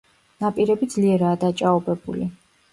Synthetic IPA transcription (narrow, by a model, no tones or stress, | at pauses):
napʼiɾɛbid̪zliɛɾaːd̪at͡ʃʼaɔbɛbṵli